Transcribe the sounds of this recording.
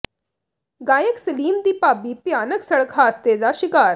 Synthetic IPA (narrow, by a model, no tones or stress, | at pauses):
ɡaːjəksəliːmd̪ipabiːpjanəksəɭkʰaəst̪ed͡zaɕikaːɾ